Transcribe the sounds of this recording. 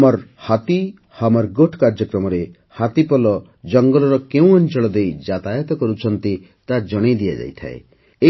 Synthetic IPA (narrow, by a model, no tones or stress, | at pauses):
mɔɾhat̪i | hamɔɾɡoʈʰkaɾd͡ʒɔkɾɔmɔɾe | hat̪ipɔlɔ | d͡ʒɔŋɡɔlɔɾɔkew̃ɔnt͡ʃɔɭɔd̪ejd͡ʒat̪ajɔt̪ɔkɔɾut͡ʃʰɔnt̪i | t̪ad͡ʒɔɽ̃ed̪ijad͡ʒa̰jt̪ʰa̰ḛ | e